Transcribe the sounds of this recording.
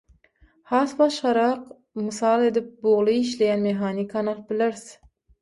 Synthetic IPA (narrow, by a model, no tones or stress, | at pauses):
hɑːsbɑʃʁɑɾɑq | mɨsɑlˠe̞d̪ip̚boʁlˠɯiʃlejænmeɦɑːnikʰɑnɑl̚ˠbileɾθ